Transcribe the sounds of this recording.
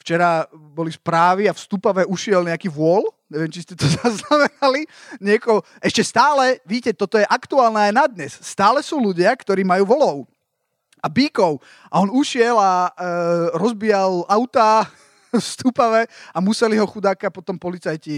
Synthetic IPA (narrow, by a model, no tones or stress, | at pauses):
ft͡ʃɛɾabɔlispɾaːʋiafst̪upaʋɛuʃɪɛlɲɛakiːʋʊɔlɲɛʋɪɛmt͡ʃiscɛt̪ɔzaznamɛnaliɲɪɛkɔɦɔ | ɛʃcɛst̪aːlɛʋiːcɛt̪ɔt̪ɔjɛʔakt̪uaːlnɛajnad̪ɲɛsːt̪aːlɛsuːluɟɪakt̪ɔɾiːmajuːʋɔlɔʊ | abiːkɔʊ | ʔaɔnuʃɪɛla | ɾɔzbialaʊt̪aː | fst̪upaʋɛamusɛliɦɔxud̪aːkapɔt̪ɔmpɔlit͡sajci